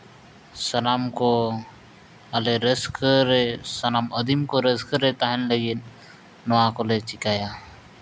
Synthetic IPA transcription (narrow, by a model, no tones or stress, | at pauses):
sənaːmko | aleɾəskɾesənaːməd̪imkoɾəzkəɾet̪aːɦinleɡinː | əʋaːkolet͡ʃɪkaːjaː